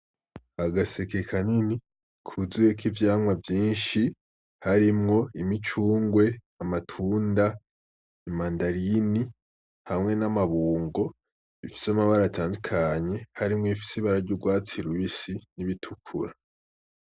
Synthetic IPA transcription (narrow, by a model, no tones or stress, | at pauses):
aɡasekekʰanini | kʰuzujekivjaːmwavjiːnʃi | haɾimŋo̞imit͡ʃuːŋɡwe̞ | amatʰuːnda | imandaɾini | hamŋe̞namaβuːŋɡo̞ | ifi̥samaβaɾataːndukʰaɲe̞haɾimŋoifi̥siβaɾaɾɟuɡwaːt͡siɾwisiniβitʰukʰuɾa